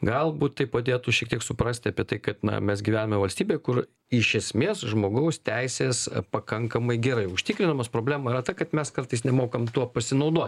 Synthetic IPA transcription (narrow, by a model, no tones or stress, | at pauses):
ɡɐlˠbuːt̪t̪ɐɪpɐd̪ʲeːt̪ʊʃʲiɛk̚t̪ʲiɛksʊpɾɐsʲt̪ʲɐːpʲiɛt̪ɐɪkɐt̪nɐ̰mʲɛsɡʲiʋʲæːnʲɐmʲɛʋɐlʲsʲt̪ʲiːbʲeːkʊr | ɪʃʲɛsʲmʲeːsʒmoːɡɐʊst̪ʲɛɪsʲeːspɐkɐŋkɐmɐɪɡʲɛɾɐɪʊʃʲt̪ʲɪkɾʲɪnɐmɐspɾoːblʲæːmɐiɾɐt̪ɐkɐt̪mʲɛskɐrt̪ɐɪs̬nʲɛmoːkɐmt̪uɔpɐsʲɪnɐʊd̪uɔt̪ʲ